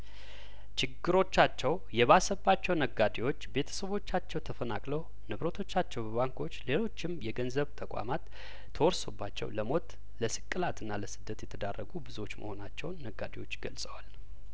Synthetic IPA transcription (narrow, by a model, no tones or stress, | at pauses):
t͡ʃɪɡːɨɾo̞t͡ʃːat͡ʃːɛw | jɛβasəbːat͡ʃːɛwnəɡad̪ewo̞t͡ʃːbe̞t̪ʰə̥səβo̞t͡ʃːat͡ʃːɛwt̪ʰəfənakʼlə | nɨβɾət̪ʰo̞t͡ʃːat͡ʃːɛwbəβaŋkʰo̞t͡ʃːle̞lo̞t͡ʃːɪmjɛɡənzəβt̪ʰəkʼa̰mat̪ːʰ | əwɔɾso̞bːat͡ʃːɛ̰wləmo̞t̪ | ləsɨ̥kʼːɨlat̪ɨnːaləsɨd̪ːət̪jɛt̪ʰəd̪arːəɡubɨzuwo̞t͡ʃːmə̰ho̞nat͡ʃːɛwnːəɡːad̪ewo̞t͡ʃːɡəlsʼəwal